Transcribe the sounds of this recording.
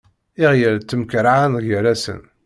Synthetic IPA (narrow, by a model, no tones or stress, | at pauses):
iʁjəɾt͡s̪ːəmkɾaʕanʝəɾæsə̰n